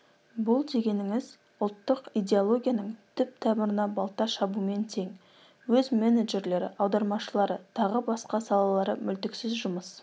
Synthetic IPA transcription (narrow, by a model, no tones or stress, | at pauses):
bʊlˠd̪e̞ɡʲe̞nɪŋɪz | ʊlˠt̪ːəqijd̪ʲe̞olˠo̞ɡʲijɑnəɴt̪ʰʏp̚t̪ʰæbɪɾɪnɑbɑlˠt̪ːɑʃɑbume̞nt̪ʰe̞ŋ | wɵzmeneʒe̞ɾle̞ɾɪ̰ʔɑwd̪ɑɾmɑʃəlˠɑɾət̪ʰɑʁəbɑsqɑsɑlˠɑlˠɑɾəmʏlt̪ɪksɪzʒʊməs